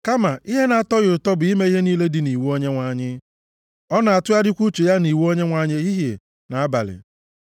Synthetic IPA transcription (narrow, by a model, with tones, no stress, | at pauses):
ka˦ma˨ʔi˦ɦe˦na˨a˨tɔ˦ɣʊ˨tɔ˦bʊ˨i˦me˦i˦ɦe˦niː˦le˦dɪ˨ni˨wu˦o˦ɲe˦ŋʷa˨ɲɪ˦ | ɔ˦na˨a˨tʊ˦ja˦dɪ˦kʷu˦t͡ʃe˨ja˦ni˨wo˦ɲe˦ŋʷa˨ɲe˦i˦ɦje˨ | na˨a˦ba̰˨lɪ̰˨